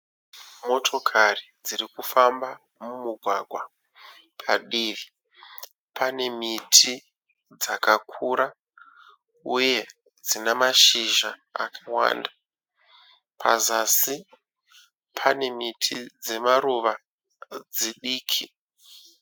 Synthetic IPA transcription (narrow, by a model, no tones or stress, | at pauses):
mo̞tʰo̞kʰarid͡zirikufamba | mumuɡʱwaɡʱwa | pʰaɗiːʋi | pʰane̞mitʰi | d͡zakakʰuːɾa | uje̞ | d͡zinamaʃiʒaa̰kʰawa̰ːnda | pʰazasi | pʰane̞mitʰid͡ze̞maɾuʋa | d͡ziɗiːkʰi